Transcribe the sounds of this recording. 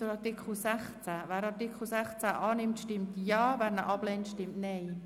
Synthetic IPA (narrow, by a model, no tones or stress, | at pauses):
əɾɑɾtɪkχl̩sæχt͡sævæːɾɑɾtikχl̩sæχt͡sæʔɑːnɪmtʃtɪmtjɑːvæːɾnəʔɑb̥lɛntʃtɪmtnɛɪ